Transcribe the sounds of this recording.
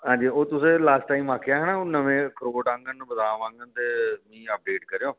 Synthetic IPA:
ɦãːɲd͡ʒiːoːt̪ʊsẽːlaːsʈʈaːiːmaːkʰejaːɦɛːnaːoːnəʋẽːkəɾoːʈãːŋɡənbəd̪aːʋãːŋɡənt̪eːmĩːəp̚ɖeːʈkəɾejoː

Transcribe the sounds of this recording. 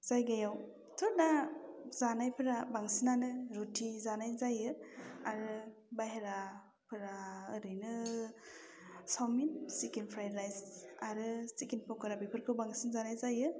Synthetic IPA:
z̥ajɡajaw | tʰɔɾnazanajpʰɯɾabaŋsinanɯɾutʰizanajzajɯaɾɯ | bajɦeɾa | pʰɯɾaɯɾɯjnɯ | sawminsikinpʰɾajɾlajsaɾɯsikinpʰɔkɯɾabipʰɯɾkʰɯbaŋsinzanajzajɯ

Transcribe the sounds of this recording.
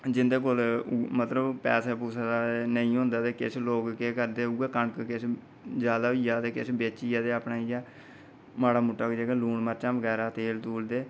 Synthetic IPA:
d͡ʒɪnd̪eːk̬oːlmət̪ləbpɛ̰ːseːpuːsad̪aːenəĩːɦʊ̃ːnd̪aːt̪eːkɪ̰sloːkkeːkəɾd̪eːueːkəɳkkɪs | d͡ʒjaːd̪aːʋiːjaːd̪eːkɪ̰sbeːt͡ʃiːjaːd̪eːapɳaːiːjaː | maːɽaːmʊʈːaːkd͡ʒeːkeːluːɳməɾt͡ʃãːbəɡɛːɾaːt̪eːlt̪uːld̪eː

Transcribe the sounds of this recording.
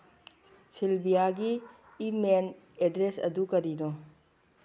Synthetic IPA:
silbijaɡiː | men | edɾesɐ̰dukɐɾino

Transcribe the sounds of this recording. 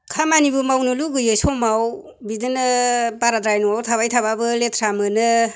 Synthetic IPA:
kʰamanibɯmawnɯluɡɯjesɔmaw | bidɯnɯpaɾadɾajnɔawtʰaβajtʰaβabɯletʰɾamɯnɯ

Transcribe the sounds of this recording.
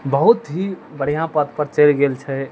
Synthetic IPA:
bəɦut̪ɦibəɽ̤ijãpət̪pəɾt͡ʃəlɡelt͡ʃʰɛ

